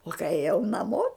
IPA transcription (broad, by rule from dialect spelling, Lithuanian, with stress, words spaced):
oː kɐɪ eːˈjɛʊ nɐˈmoː